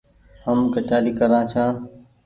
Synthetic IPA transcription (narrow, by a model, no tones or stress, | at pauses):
həmkət͡ʃaːliːkəɾãːt͡ʃʰãː